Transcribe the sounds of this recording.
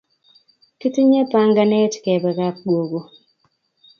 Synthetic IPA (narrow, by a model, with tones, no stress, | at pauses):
ki˦ti˦ɲe˦pa˦ŋɡa˦nɛ˦tkɛ˨bɛ˨ka˦k̚ɡwo˨ɡo˨